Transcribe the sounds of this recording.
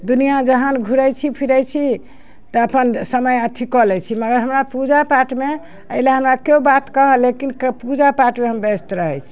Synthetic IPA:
d̪unijad͡ʒəɦənɡʱuɾɛjt͡ʃʰipʰiɾɛjt͡ʃʰi | t̪ɔəpənsəməjət̪ʰikɔlɛt͡ʃʰiməɡəɾɦəmɾapud͡ʒapaʈme | əileɦəmɾakeubat̪kəɦəlekinkpud͡ʒapaʈmeɦəmbest̪ɾəɦɛjt͡ʃʰi̥

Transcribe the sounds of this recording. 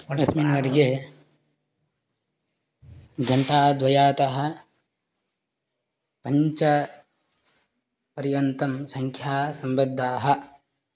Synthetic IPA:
ɾɐsminʋɐɾɡe | ɡʱɐɳʈaːd̪ʋɐjaːt̪ɐɦɐ̆ | pɐɲt͡ʃɐ | pɐɾjɐnt̪ɐmsɐŋkʰjaːsɐmbɐd̪ʱːaːɦɐ̆

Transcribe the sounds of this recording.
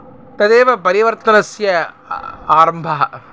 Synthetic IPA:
t̪ɐd̪eːʋɐpɐɾɪʋɐɾt̪ɐnɐsjɐ | aːɾɐmbʱaː

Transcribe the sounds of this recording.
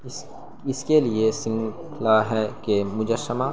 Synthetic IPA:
ɪskeliesɪ̃ŋɡkʰlaɦɛkemʊd͡ʒəsːəma

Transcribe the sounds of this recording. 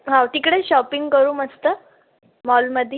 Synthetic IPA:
ɦãʈ̪ikɽeɕɔpiŋɡkəɾuːməst̪ə | mɔlməd̪ʱːj

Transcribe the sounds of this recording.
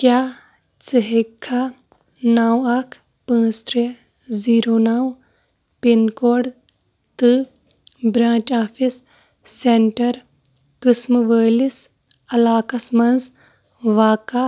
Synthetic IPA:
kjaː | t͡səɦikʰːa | nawɐkʰ | pãːst̪ʰɾeː | ziːɾoːnaw | pinkoːɽ | t̪ɨ | bɾãːt͡ʃaːpʰisː | eɳʈɐɾ | kɨsmʋəːlis | ɐlaːkɐsmɐnz | ʋaːka

